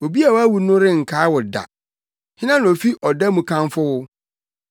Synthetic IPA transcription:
o˨bi˦a˨wa˦wu˨nʊ̃˦ɾɪ˦ŋ̩˨kʰaː˨˦wʊ˨da̰˨ | hɪ˦nã˦n˨o˨fi˦ʔɔ˨da˦mũ˨kʰã˦nfʊ˦wʊ˦

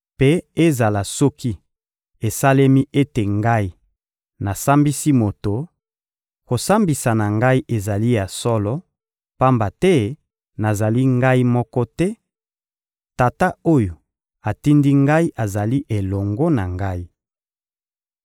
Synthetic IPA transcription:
pe˦e˦za˨la˨sɔ˦kʰi˦ | e˨sa˦le˦mi˦ʔe˦te˨ŋɡa˦i˦ | na˨sa˦mbi˦si˦mo˨to˨ | ko˨sa˦mbi˨sa˨na˨ŋɡa˦i˦ʔe˨za˨li˦ja˨sɔ˦lɔ˦ | pa˦mba˨tɛ˦ | na˨za˨li˦ŋɡa˦i˦mɔ˦kɔ˦tɛ˦ | ta˨ta˦o˦jo˨ | a˨ti˦ndi˦ŋɡa˦i˦ʔa˨za˨li˦ʔe˨lɔ˨ŋɡɔ˦na˨ŋɡa˦i˦

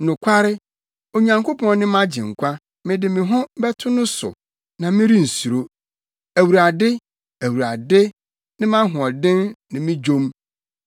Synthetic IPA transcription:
nʊ̃˨kʷʰa˦ɾɪ˦ | o˨ɲã˨ŋko˦pʰɔ̃˨nɪ̃˦mã˦d͡ʑɪ̃˨ŋ̩˨kʷʰa˦ | mɪ̃˨dɪ˨mɪ̃˨ɦʊ̃˦bɛ˦tʰʊ˦nʊ̃˦sʊ̰˨ | nã˨mɪ̃˦ɾi˦n̩˨su˨ɾo˦ | æ˨wu˨ɾa˨dɪ˦ | æ˨wu˨ɾa˨dɪ˦ | nɪ̃˦mã˦ɦʊ̃˨ɔ˨dɪ̃˦nːɪ̃˨mɪ̃˦d͡ʑõ˦m

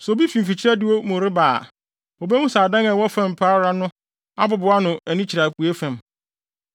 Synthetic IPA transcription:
sɔ˨bi˦fĩ˨m̩˨fi˨t͡ɕʰi˦ɾɛ˦dɪ˦wo˦mʊ̃˨ɾɪ˦baː˨ | o˨be˦hũ˦saː˨dã˦ŋa˨wɔ˦fã˦˨m˨pʰaː˦ɾa˦nʊ̃˦ | a˦bʊ˨bʊ˨˦a˦nʊ̃˨æ˨nĩ˦t͡ɕʰi˨ɾa˨ku˨e˦fæ̃˨m

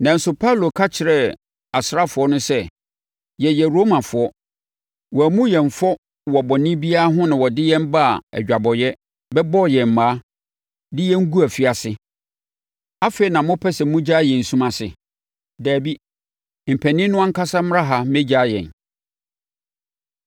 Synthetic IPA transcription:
nã˨n̩˨sʊ˦pʰa˦u˨lo˨kʰa˦t͡ɕʰɪ˨ɾɛ˨ | a˨sɾa˦fʊ˨ɔ˦nʊ̃˦sɛ˦ | jɛ˨jɛ˨ɾo˦mã˨fʊ˨ɔ˦ | wɔ˨æ˨mũ˦jɛ̃˨ɱ̩˨fɔ˦ | wɔ˨bɔ˨nɪ̃˦bi˦a˦ɦʊ̃˦nɪ̃˨wɔ˨dɪ˦jɛ̃˦m̩˦ba˦a˨æ̰˨d͡ʑᶣa˨bɔ˨jɛ˦ | bɛ˦bɔ˦˨jɛ˨m̩˨mãː˦ | dɪ˦jɛ̃˦ŋ̩˦ɡu˦æ˨fi˦a˨sɪ˦ | a˦fe˦i˨nã˨mʊ̃˦pʰɛ˦sɛ˨mũ˦d͡ʑa˦˨jɛ̃˨n̩˨sũ˦mã˨sɪ˨ | dæː˨bi˦ | m̩˨pʰæ˨nĩ˦nʊ̃˦ã˦ŋ̩˦kʰa˦sa˦m˦ã˦ɦa˨mɛ̃˦d͡ʑaː˦jɛ̰̃˨n

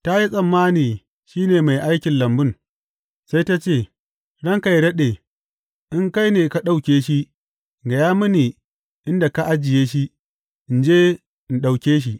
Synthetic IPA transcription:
ta˦ji˦sʼɐ˨mːaː˦niː˨ | ʃiː˦neː˨ma˨jʔa˦jkʲɪ˨nlɐ˨mbɪ˦n | sa˦jta˦t͡ʃeː˦˨ | ɽɐ˦ŋka˨jdɐ˦ɗeː˨ | ʔɪ˦ŋka˦jneː˨ka˦ɗa˨wkʲeː˦ʃi˦ | ŋɡa˨jaː˦mʊ˦niː˨ | ʔɪ˦nda˨ka˦ʔa˦d͡ʒɪ˨jeː˦ʃi˦ | ʔɪ˨nd͡ʒeː˦ | ʔɪ˨nɗa˨wkʲeː˦ʃ̬i˦ʔ

